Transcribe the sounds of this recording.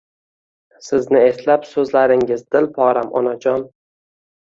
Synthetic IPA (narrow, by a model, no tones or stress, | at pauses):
sɪznɪe̞slapsɵzlaɾɪŋɪzd̪ɪlpʰɒɾamɒ̰nad͡ʒɒn